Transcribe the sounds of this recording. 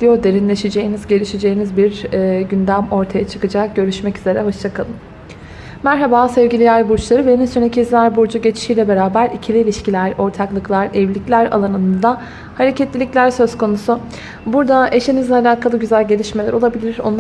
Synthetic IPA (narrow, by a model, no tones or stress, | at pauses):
d̪̥ijo̞d̪e̞ɾinlʲe̞ʃed͡ʒe̞jinizɟe̞lʲiʃed͡ʒe̞jinizbiɾːɟynd̪æmo̞ɾt̪ʰajat͡ʃʰɯ̥kɯd͡ʒak̚ɟ̥ø̞ɾyʃmɛcyze̞ɾɛɦo̞ʃt͡ʃʰakʰalˠɯm | mæɾɦabaːsɛvɟilʲijæɾbuɾt͡ʃlˠaɾɯveninsynecʰizæɾbuɾd͡ʒuɟe̞t͡ʃʰi̥ʃijlʲɛbe̞ɾaːbæɾicʰilʲiːlʲiʃcilʲæɾo̞ɾt̪ʰaklˠɯklˠaɾɛvlʲiclʲæɾa̰lˠanɯnɯnd̪a | haɾecʰɛt̪lʲilʲicʲlʲæɾsø̞z̥kʰo̞nusu | buɾd̪ae̞ʃinizlʲalʲaːkalˠaɟyzælʲɟe̞lʲiʃmelʲæ̰ɾo̞lˠabilʲiɾo̞̰nˠ